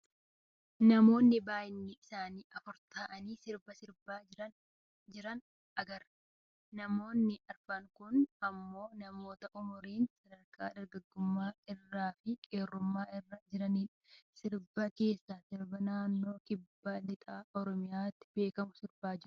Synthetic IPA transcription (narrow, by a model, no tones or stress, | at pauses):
nɐmo̞ːnːɪbaːjɪnːɪʔɪsaːniːʔɐfʊɾt̪aːʔɐniːsɪɾbɐsɪɾbaːɐ | d͡ʒɪɾɐn | ɐɡɐɾ | nɐmo̞ːnːɪʔɐɾfɐŋkʊnɐmːo̞ːnɐmo̞ːt̪ɐʔʊmʊɾeːnsɐd̪ɐɾkʰʼa̰ːd̪ɐɾɡɐɡːʊmːaːɪrːaːfɪkʼeːrːʊmːaːɪrːɐd͡ʒɪɾɐniːᶑɐ̥sɪɾbɐke̞ːsːaːsɪɾbɐnaːnːo̞ːkɪbːaːlɪt̪ʼaːʔɔɾɔmɪjaːt̪ːɪ̥be̞ːkɐmʊsɪɾbaːd͡ʒɪɾʊ̥